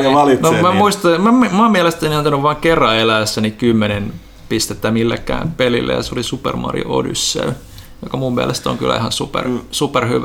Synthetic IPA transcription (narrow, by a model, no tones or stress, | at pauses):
ɑlinomæmuist̪ɑmæmmɑːmmiælest̪æniɑnt̪ɑnuʋʋɑːŋkerːɑelæːsːænikymːenen | pist̪et̪ːæmilːḛkːæ̰ːmpelilːḛjɑseolisupḛrmɑ̰rḭo̰o̰dy̰sːḛl | jokɑmummiælest̪æo̰ŋky̰lʔæ̰ihɑnsupḛrsuperhyʋ